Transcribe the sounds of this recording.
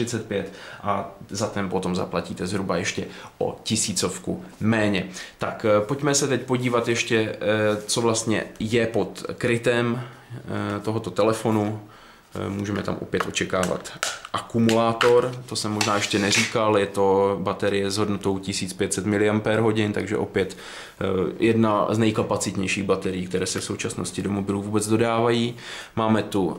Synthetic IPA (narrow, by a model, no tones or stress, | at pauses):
ɪt͡sɛt̪̚pjɛt̪ʔazat̪ɛmpo̞t̪o̞mza̰placiːt̪ɛzɦɾubajɛʃcɛʔo̞̰cɪsiːt͡so̞fkṵmɛːɲɛt̪akpo̞cmɛsɛt̪ɛcpo̞ɟiːvat̪jɛʃcɛt͡so̞vlast̪ɲɛ̰jɛpo̞t̪kɾɪt̪ɛm | t̪o̞ɦo̞t̪o̞t̪ɛlɛfo̞nu | muːʒɛmɛt̪a̰mʔo̞̰pjɛt̪ʔo̞t͡ʃɛkaːva̰t̪ʔakumulaːt̪o̞ɾt̪o̞sɛmːo̞ʒnaːjɛʃcɛnɛr̝iːkaljɛt̪o̞bat̪ɛɾɪjɛzɦo̞dnot̪o̞wcɪsiːt͡spjɛt̪sɛt̪mɪlɪampɛɾɦo̞ɟɪnt̪aɡʒɛ̰ʔo̞pjɛt̪ | jʔɛdnaznɛjkapat͡sɪt̪ɲɛjʃiːɣbat̪ɛɾɪːk̚t̪ɛɾɛːsɛfsowt͡ʃasno̞̰scɪdomo̞bɪluːvuːbɛd͡zdo̞daːvajiː | maːmɛt̪u